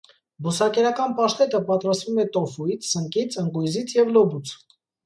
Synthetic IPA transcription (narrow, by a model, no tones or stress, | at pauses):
busɑkɛɾɑkɑnpɑʃt̪ɛt̪əpɑt̪ɾɑst̪vumɛt̪ɔfujt͡sʰsəŋkit͡sʰəŋkujzit͡sʰjɛvlɔbut͡sʰ